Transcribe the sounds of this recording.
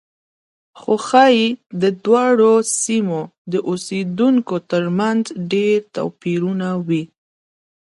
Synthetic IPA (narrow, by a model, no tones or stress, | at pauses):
xoxɑjd̪əd̪wɑɽosimod̪əʔused̪uŋkot̪əɾmanzɖeɾt̪a̰piɾunawi